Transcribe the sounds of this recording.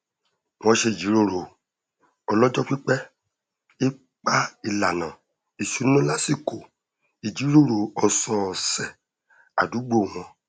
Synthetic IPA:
w̃ɔ̃˧ʃe˧i˨d͡ʒi˨˦ɾo˧˨ɾo˨ | ɔ˧lɔ˦d͡ʒɔ˦k͡pi˦k͡pɛ˦ | i˦ | k͡pa˦i˧˨la˨nã˨ | i˨ʃu˨˦n˦nũ˦la˦si˦˨ko˨ | i˨d͡ʒi˨˦ɾo˦˨ɾo˨ɔ˨sɔ̃˧˨sɛ˨ | a˨du˨˦ɡ͡bo˦˨w̃ɔ̃˧

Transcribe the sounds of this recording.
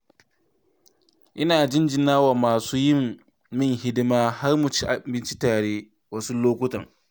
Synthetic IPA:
ʔɪ˦naː˨d͡ʒɪ˦nd͡ʒɪ˨naː˦waː˨maː˨suː˦jɪ˦˨mː | ɪ˦˨ŋhɪ˦dɪ˦maː˦ha˦rmʊ˨t͡ʃi˦ʔa˨bɪ˦nt͡ʃi˦taː˨ɽeː˦ | wa˦su˦loː˦kʷʊ˦tɐ̰˨ŋ

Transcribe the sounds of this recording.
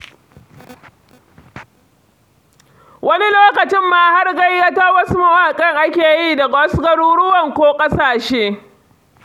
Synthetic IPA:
wʔɐ˦ni˦loː˦kɐ˨t͡ʃɪ˦mːaː˦ha˦rɡɐ˦jːa˦ta˦wɐ˦su˦mɐ˨waː˨kʼɐ˦ŋʔa˦kʲeː˨jiː˦dɐ˨ɡwɐ˦sɡɐ˦ɽuː˦ɽʊ˦wɐ˨ŋkʷoː˦kʼɐ˦saː˨ʃeː˦

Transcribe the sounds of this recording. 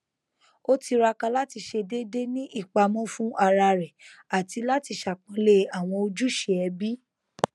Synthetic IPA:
o˦ti˧ɾa˧kã˧la˦ti˧ʃe˧de˦de˦nĩ˦ʔi˦˨k͡pa˧mɔ̃˦fũ˦ʔa˧ɾa˧ɾɛ˨a˨ti˨˧la˦ti˧ʃa˨k͡pɔ̃˧le˦a˨w̃ɔ̃˧o˧d͡ʒu˦ʃe˨˦ɛ˧bi˦

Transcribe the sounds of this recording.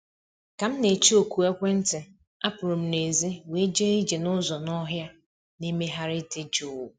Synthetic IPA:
ka˨m̩˦ne˨t͡ʃi˦o˨ku˨e˦kʷe˦n̩˦tɪ˨ | a˦pʊ˨ɾo˨m̩˦ne˨zi˦we˨˦d͡ʒe˦i˦d͡ʒe˨nʊ˦zɔ˨nɔ˦ɦja˦ | ne˦me˦ɦa˦ɾɪ˦tɪ˦d͡ʒu˨w

